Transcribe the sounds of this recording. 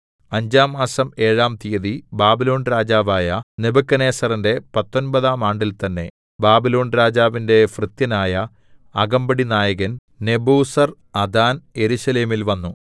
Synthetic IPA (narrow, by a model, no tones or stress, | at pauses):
ɐɲd͡ʑaːmːaːsɐme̞ːɻaːmt̪ijɐðibaːbilo̞ːnɾaːd͡ʑaːʋaːjɐnebɐkːɐne̞ːsɐrinde̞pɐt̪ːo̞nbɐðaːmaːɳɖilt̪ɐnːe̞̰ | baːbilo̞ːnɾaːd͡ʑaːʋinde̞frɨt̪jɐnaːjɐː | ɡɐmbɐɽinaːjɐɣɐn | ne̞buːsɐr | ɐd̪aːnje̞ɾuɕɐle̞ːmilʋɐnːu